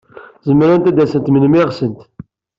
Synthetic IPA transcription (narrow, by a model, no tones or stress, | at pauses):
zəmɾænt̪æd̪æsənt̪mənmɪʁsənt̪